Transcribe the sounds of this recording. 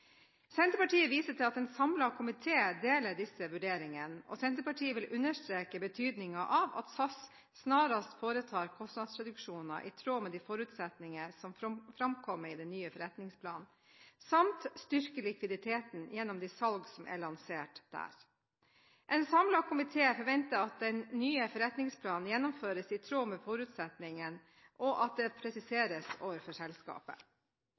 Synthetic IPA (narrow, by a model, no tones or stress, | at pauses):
sɛnt̪əɾpɑʈiːəʋiːsəʈʰɪlɑt̪ɛnsɑmlɑkʰʊmɪt̪ʰeːd̪eːləɖɪsəʋʉɖeːɾɪŋənɔ̰sɛnt̪əpɑʈʰiːəʋɪlʔʉnːəʂt̪ɾeːkəbət̪ʰyːd̪nɪŋɑʔɑʋɑ̰t̪sɑs | snɑːɾɑst̪foːɾət̪ʰɑːɾkʰɔst̪nɑd̪sɾɛd̪ʉkʂuːnɑ̰ʔit̪ʰɾoːmɛd̪ifɔɾʉːt̪sɛt̪nɪŋəsɔmfɾɑmkʰɔmːəɾid̪ɛnːyːəfɔɾɛt̪nɪŋspʰlɑ̰ːn | sɑmt̪st̪ʏɾkəlɪkʋɪd̪ɪt̪ʰeːt̪n̩jɛnːɔmd̪ɪsɑlɡsɔmʔæ̰ɭɑnseːʈd̪̥æ̰ːɾ | ʔɛnsɑmlɑkʰʊmɪt̪ʰeːfɔɾʋɛnt̪əɑt̪̚d̪ɛnnyːəfɔɾɛt̪nɪŋspʰlɑːnnjɛnːɔmføːɾəsɪt̪ʰɾoːmɛfɔɾʉːt̪sɛt̪nɪŋən | ʔɔʔɑt̪̚d̪ɛpʰɾɛsɪseːɾəsoːʋəɾfɔʂɛlskɑ̰ːpə̰